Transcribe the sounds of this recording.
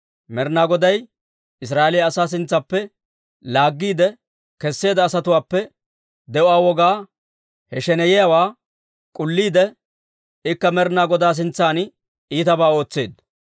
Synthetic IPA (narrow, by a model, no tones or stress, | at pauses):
mɛɾnaːɡɔd̪ɐj | ɪs̬ɾaːʔelɪjɐːsaːs̬ɪnt͡sːɐpːɛ | laːɡːiːd̪ɛ | kɛsːe̞ːd̪ɐːsɐt̪ʊwaːpːɛ | d̪ɛʔʊaːwɔɡaː | hɛʃɛnɛjɪjawaː | kʼʊlːiːd̪ɛ | ɪkːɐmɛɾnaːɡɔd̪aːs̬ɪnt͡sːaːn | iːt̪ɐbaːo̞ːt͡sːeːd̪